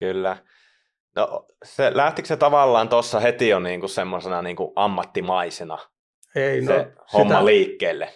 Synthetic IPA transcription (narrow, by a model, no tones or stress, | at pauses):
kylːæ | no̰ʔ | selæht̪ikset̪ɑʋɑlːɑːnt̪osːɑhet̪ijoniːŋkussemːosenɑniːŋkuʔɑmːɑt̪ːimɑisenɑ̰ | einse | shomːɑliːkːeːlːe